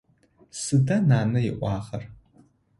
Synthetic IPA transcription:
sɨdɐnaːnɨjɪʔʷɑːχɐr

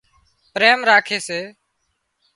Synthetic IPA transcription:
pɾeːmɾaːkʰeːseː

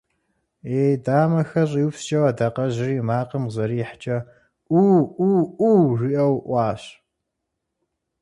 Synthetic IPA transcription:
eːdaːmɐxɐɕʼiwpst͡ʃʼɐwɐdaqɐʑɪriːmaːqəmzɐɾiːħt͡ʃʼɐ | ʔuːuːʔuːriʔɐwʔʷɑːɕ

